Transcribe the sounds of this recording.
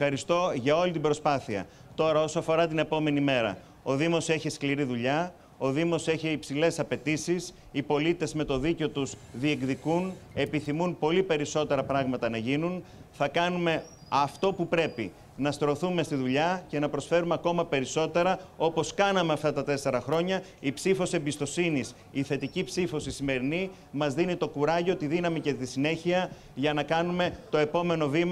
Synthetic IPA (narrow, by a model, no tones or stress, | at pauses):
ɐɾist̪o̞ʝɐo̞lit̪ibɾo̞spɐθiɐ̰ | t̪o̞ɾɐo̞soɐfo̞ɾɐt̪ine̞po̞me̞nime̞ɾɐ̰ | o̞ðimo̞se̞çiskliɾiðuʎɐ | o̞ðimo̞se̞çiːpsile̞sɐpe̞t̪isis | ipo̞lit̪e̞zme̞t̪o̞ðiceot̪uzðie̞kðikune̞piθimunpo̞lipe̞ɾiso̞t̪e̞ɾɐpɾɐɣmɐt̪ɐnɐʝinun | θɐkɐnume̞ | ɐft̪o̞pupɾe̞pi | nɐst̪ɾo̞θume̞st̪iðuʎɐce̞nɐpɾo̞sfe̞ɾumeɐko̞mɐpe̞ɾiso̞t̪e̞ɾɐo̞po̞skɐnɐmeɐft̪ɐt̪ɐt̪e̞se̞ɾɐxɾo̞ɲɐipsifo̞se̞mbist̪o̞sinis | iθe̞t̪icipsifo̞sisime̞ɾini | mɐzðinit̪o̞kuɾɐʎo̞t̪iðinɐmice̞t̪isine̞çiɐ | ʝɐnɐkɐnume̞t̪o̞e̞po̞me̞no̞vim